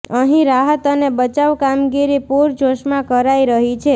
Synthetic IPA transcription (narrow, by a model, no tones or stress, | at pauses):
əɦĩɾaɦət̪ənebət͡ʃaʋkamɡiɾipuɾd͡ʒoʃmãkəɾaiɾəɦit͡ʃʰe